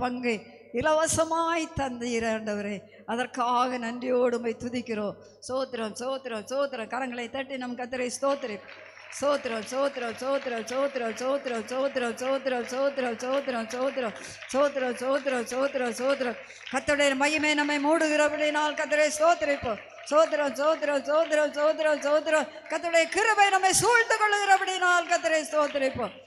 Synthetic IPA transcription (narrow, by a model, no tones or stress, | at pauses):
pɐŋɡɐ | ɪlɐʋɐsɐmaːjit̪ːɐnd̪ɐjɪɾeːɳɖɐʋɐɾeː | ɐðɐrkaːɣɐnɐɳɖɪjoːɽɯmɐɪt̪ʊðɪkʲːɪɾõː | soːt̪ːɪɾɐ̃msoːt̪ːɪɾɐ̃soːt̪ːɪɾɐ̃kɐɾɐŋɡɐɭɐɪt̪ɐʈːinɐmːɐkːɐt̪ːɪɾɐɪst̪oːt̪ːɪɾɐɪpː | st̪oːt̪ːɪɾɐ̃soːt̪ːɪɾõmsoːt̪ːɪɾɐ̃soːt̪ːɪɾɐ̃soːt̪ːɪɾosoːt̪ːɪɾɐõmsoːt̪ːɪɾɐõmsoːt̪ːɪɾɐsoːt̪ːɪɾõsoːt̪̬ɪɾõ | soːt̪ɪɾɐsoːt̪ɪɾɐsoːt̪ɪɾɐsoːt̪̬ɪɾɐ | kɐt̪ːɐʋɪɽɐjɐmɐjimeːnɐmːemuːɽuɣɪɾɐpɐɽinaːlkɐt̪ːɐɾɐjst̪oːt̪ɐɾipːo | soːt̪̬ɾɐsoːt̪̬ɪɾɐsoːt̪ɪɾɐsoːt̪ɪɾɐsoːt̪̬ɪɾɐ | kɐt̪ːɐʋɽɐjɐkɪɾɐbɐjnɐmːesuːɻt̪ukɔɭːɯɣɪɾɐpɐɽinaːlkɐt̪ːɐɾɐjst̪oːt̪iɾɐpːo